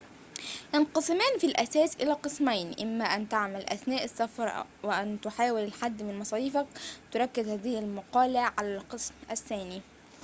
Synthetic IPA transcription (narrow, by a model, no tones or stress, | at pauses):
jɑnqɑsˤɨmæːnfilʔæsæːsʔɪlæːqɨsmajnʔɪmːæʔænt̪aʕmalʔæ̰θnæːʔɪsːafɑɾˤwɪʔænt̪ʊħaːwɪlɪlħad̪ːmɪnmɑsˤɑːiːfakt̪ʊɾˤɑkːɪzhæːðɪhɪlmɑqɑːlɪʕʕalælqɨsmʔaθːæːni